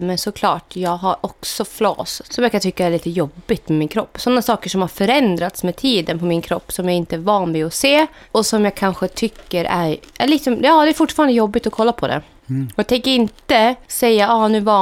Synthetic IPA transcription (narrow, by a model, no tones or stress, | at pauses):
mɛnsɔkʰlɑːʈjɑːɡɦaɾʔɔksɔflo̰ːssɔmjakʰant̪ʰʏkːaæɾɭiːt̪əjɔbːɪt̪mɛmɪnkʰɾɔpːsɔnːasɑːkəʂɔmhaɾfœɾɛnd̪ɾat̪smɛt̪ʰiːd̪ənpʰɔmɪnkʰɾɔpːsɔmjaɪnt̪əæɾvɑːnvɛɔseː | ɔsɔmjɑɡ̚kʰanɧət̪ʰʏkːəɾʔæ̰ɾɛɭik̪sɔmɑːd̪ɛæːɾfʊʈːfɑːɾand̪əjɔbːɪt̪ɔkʰɔlːapʰɔd̪ɛ̰ | ɔjaːɡt̪ʰɛŋkːəɾɪnt̪əsɛjːaɑːnʉ̟ːvɑː